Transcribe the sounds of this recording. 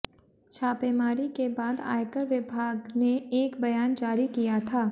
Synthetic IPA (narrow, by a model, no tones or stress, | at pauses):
t͡ʃʰaːpeːmaːɾikebaːd̪a̰ːjkəɾʋɪbʱaːɡneeːkbɐjaːnd͡ʒaːɾikijat̪ʰaː